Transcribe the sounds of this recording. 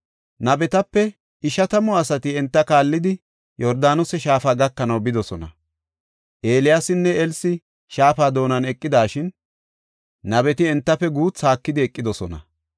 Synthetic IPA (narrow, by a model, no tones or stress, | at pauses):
nɐbɛt̪ɐpːɛ | ɪʃɐt̪ɐmɔɐsɐt̪ɪɛnt̪ːɐkaːlːɪd̪ɪ | jɔɾd̪aːnʊsɛʃaːfaːɡɐkːɐnɐwbɪd̪ɔsɔnɐ | ʔe̞ːlɪjasɪnːɛɛlsɪ | ʃaːfaːd̪o̞ːnɐnɛkʼːɪd̪aːʃɪn | ɐbɛt̪ɪɛnt̪ːɐfːɛɡuːt͡sːaːkːɪd̪ɪɛkʼːɪd̪ɔsɔnɐ̰